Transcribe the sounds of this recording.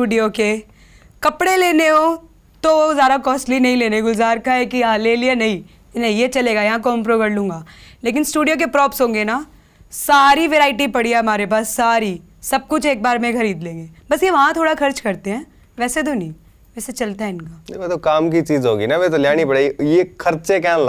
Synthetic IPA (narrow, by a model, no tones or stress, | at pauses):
sʈuːɖijoke | kɐpɽeleːneɦoː | t̪oozaːɾakɔːsʈlinɐɦĩleːneɡʊzaːɾkaɦɛkiaːleːlianɐɦĩ | nɐĩjet͡ʃɐleːɡajɐɦãk̬ompɾoːkɐɽlũːŋɡaːleːk̬ɪnsʈuːɖijok̬epɾɔːpsɦõːŋɡena | saːɾiʋeːɾaːɪʈ̬ipɐɽiaɦɐmaːɾepaːsːaːɾi | sɐb̚kʊt͡ʃʰeːk̚baːɾmẽxʰɐɾiːd̪lẽːŋɡeːbɐsjeʋɐɦãt̪ʰoːɽaxʰɐɾt͡ʃkɐɾt̪eɦɛ̃ː | ʋɛːset̪̬onɐɦĩ | ʋɛːset͡ʃɐlt̪aɦɛɪnkaːnʋɛt̪okaːmkit͡ʃiːzɦoːɡinaʋɛt̪oljaːnipɐɽeːɡijexʰɐɾt͡ʃekal